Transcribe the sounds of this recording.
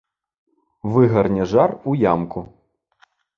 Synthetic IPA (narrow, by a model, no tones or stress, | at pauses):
vɨɣɐrnʲɛʐarujamku